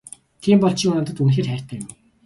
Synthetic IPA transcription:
t̪ʰiːmpɔɬt͡ɕʰɪ̆ŋʊnə̆t̪ə̆t̪unxeːrχæːr̥ʲt̪ʰæ̆ːkjɪm

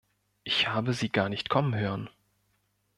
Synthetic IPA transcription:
ʔɪçhaːbəziːɡaːɐnɪçtkʰɔmənɦøːʁən

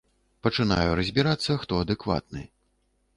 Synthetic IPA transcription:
pɐt͡ʂɨna̰juɾɐzʲbʲiɾat̪sːɐxt̪ɔɐd̪ɨkva̰t̪̚nɨ̰

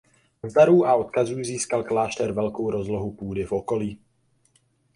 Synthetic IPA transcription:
zd̪aɾuːʔao̞t̪kazuːziːskalklaːʃt̪ɛɾvɛlkowɾo̞zloɦupuːdɪfʔo̞ko̞liː

